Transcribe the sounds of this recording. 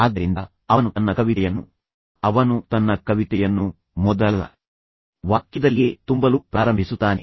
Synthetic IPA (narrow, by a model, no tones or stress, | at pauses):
aːd̪ːɐɾind̪ɐ | ɐnut̪ɐnːɐkɐʋiɛjɐnːṵ | ɐʋɐnut̪ɐnːɐkɐʋit̪ɛjɐnːu | mɔd̪ɐlːɐ̰ | ʋaːkjid̪ɐlɡet̪umbɐlupɾaːɾɐmbʱisut̪ːaːne